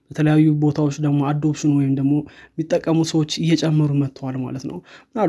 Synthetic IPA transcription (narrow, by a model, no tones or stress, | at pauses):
bət̪ʰələjajːubo̞t̪ʰawot͡ʃːd̪əɡmo̞ad̪ːo̞bt͡ʃːɪnwɔjɪmd̪əɡmo̞mːit̪ʼːəkʼːəmusəwo̞t͡ʃːɨjːɛt͡ʃʼɛmːɨɾumət̪ʰːwalma̰lət̪nə̰wmɨna